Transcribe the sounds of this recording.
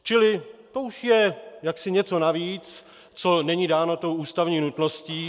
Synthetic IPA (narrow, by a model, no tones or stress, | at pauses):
t͡ʃɪlɪt̪ouʃjɛjaksɪɲɛt͡so̞naviːt͡s | t͡so̞nɛɲiːdaːnot̪o̞wʔuːst̪avɲiːnut̪no̞sciː